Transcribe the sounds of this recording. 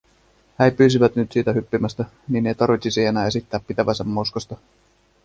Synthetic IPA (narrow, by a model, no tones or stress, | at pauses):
hæjpyːs̬iʋæt̪nyt̪siːt̪æhypːimæst̪æ | ninːejt̪ɑɾʋit̪sisejenæːe̞sit̪ːæːpːit̪æʋæsæmːoskost̪ɑ